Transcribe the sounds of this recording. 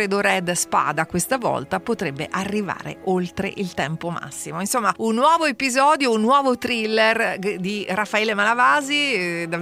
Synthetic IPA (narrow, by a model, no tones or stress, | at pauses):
ɾed̪oɾɛd̪spa̰ːd̪akwest̪avɔ̰lt̪apot̪ɾebːḛʔarːiva̰ːɾḛolt̪ɾḛʔilt̪ɛmpoma̰sːimoinsomːaunːwɔːvoepizɔːd̪jounːwɔːvot̪ɾilːerd̪irafːaɛːlemalavaːzid̪a